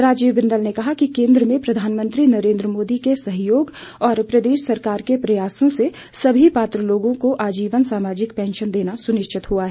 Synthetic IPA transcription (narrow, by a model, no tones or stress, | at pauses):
ɾaːd͡ʒiːʋbɪ̃nd̪əlnekɐɦakikẽːnd̪ɾəmẽpɾɐd̪ʱaːnmə̃nt̪ɾinɐɾẽːnd̪ɾəmoːd̪ikesɐɦjoːɡ | ɔːɾpɾɐd̪eːʃsɐɾkaːɾkepɾɐjaːsõse | sɐbʱipaːt̪ɾəloːɡõkoʔaːd͡ʒiːʋənsaːmaːd͡ʒɪkpɛ̃ːnʃənd̪eːnasʊnɪʃt͡ʃʰɪt̪ɦuaɦɛ